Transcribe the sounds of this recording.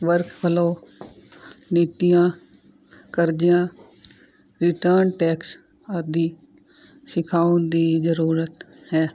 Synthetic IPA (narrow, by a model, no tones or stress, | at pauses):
ʋəɾkʰpʰəloː | niːt̪ijãː | kəɾd͡ʒɪjãː | ɾɪʈəɾnʈɛːks | əd̪iː | sɪkʰaːʊnd̪iːzəɾuːɾət̪ | hɛː